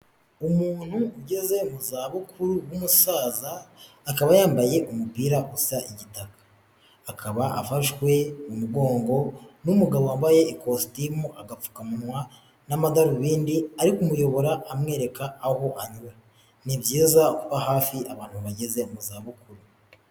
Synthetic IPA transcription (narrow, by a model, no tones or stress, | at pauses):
umuːn̥huuɟe̞ze̞umuzaːβukʰuɾuwumusaːzaː | kaβajaːmbaje̞ʔumubpiːɾausaʔiɟitakḁː | kʰaβaʔa̰faʃkwe̞mumuɡo̞ːŋɡo̞numuɡaβoaːmbaje̞ːkostimuʔaɡap͡fu̥kamunwa | namadaɾuβiːndiaɾikumujo̞βo̞ɾaʔːmŋe̞ːɾe̞kaːho̞ʔaɲuɾa | nibɟiːzakuβaɦaːfiʔaβaːn̥huβaɟe̞ze̞umuzaːβukuɾu